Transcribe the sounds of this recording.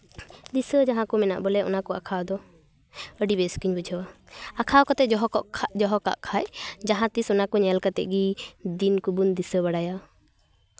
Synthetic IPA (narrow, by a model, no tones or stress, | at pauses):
d̪isəd͡ʒaɦãkɔmɛna̰ʔbɔlɛʔɔnakɔa̰kʰawd̪ɔ | əɖibɛskiɲbud͡ʒʰʱɔwaakʰawkɔt̪ɛɦʔʰd͡ʒɔɦɔka̰ʔkʰajd͡ʒaɦãt̪isɔnakɔɲɛlkat̪ɛ̰ʔ̚ɡid̪inkubund̪isəbaɽaja